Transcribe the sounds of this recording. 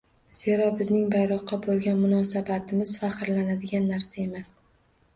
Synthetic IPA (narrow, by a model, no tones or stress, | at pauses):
z̥e̞ɾɒbɪznɪŋbajɾɒqːɑbolˠɡʲanmʊnɒsabat̪ʰɪmɪz̥faχɨɾlanad̪ɪɡʲanːaɾsae̞mas